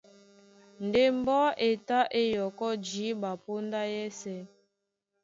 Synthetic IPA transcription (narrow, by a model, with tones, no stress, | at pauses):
n˨de˦m˦bɔ˦ʔe˨ta˦ʔe˦jɔ˨kɔ˦d͡ʒi˨˦ba˨po˦nda˦jɛ˦sɛ˦